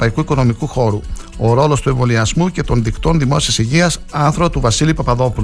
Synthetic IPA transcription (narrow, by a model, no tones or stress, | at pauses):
ɐikuiko̞no̞mikuxo̞ɾuo̞ɾo̞lo̞st̪ue̞ɱvo̞liɐzmuce̞t̪o̞nðikt̪o̞nðimo̞siɐsiʝiɐsɐnθɾoɐt̪uvɐsilipɐpɐðo̞pul